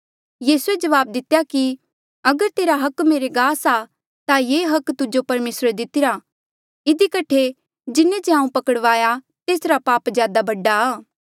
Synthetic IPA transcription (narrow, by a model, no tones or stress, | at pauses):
jiːsued͡ʒɐʋaːb̚d̪ɪt̪jaki | ɐɡəɾt̪eːɾaɦɐkmeːɾeɡaːsa | t̪ajeːɦɐkt̪ʊd͡ʒopɐɾmeːsɾd̪ɪt̪ɪɾa | ɪd̪ikɐʈʰe | d͡ʒɪnːed͡ʒeãːũpɐkəɽʋaːja | t̪eːsɾapaːpzjaːd̪abɐɖːaaː